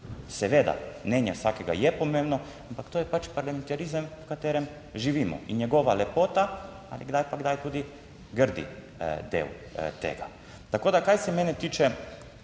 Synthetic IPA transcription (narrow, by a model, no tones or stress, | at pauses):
sɛʋed̪a̰mneːɲɛsʋakeɡa̰jɛpomemno | ampakt̪oːjɛpat͡ʃpaɾlament̪aɾizamkat̪eɾem | ʒiʋiːmo̰iɲeɡoʋalepoːt̪a | a̰liɡd̪ajpaɡd̪ajt̪uːd̪i | ɡr̩d̪ḭ | d̪ḛl | t̪ḛɡa̰ | t̪akod̪akajsɛmenɛt̪iːt͡ʃɛ